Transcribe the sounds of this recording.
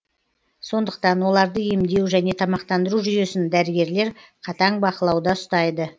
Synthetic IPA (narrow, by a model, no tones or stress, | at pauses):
so̞nd̪əq̚t̪ɑnwo̞lˠɑɾd̪əe̞md̪e̞wʒæne̞t̪ʰɑmɑqt̪ɑnd̪əɾuʒʏje̞sɪnd̪æɾɪɡʲe̞ɾle̞ɾqʰɑt̪ɑɴbɑqəlˠɑwd̪ɑʊst̪ɑjd̪ə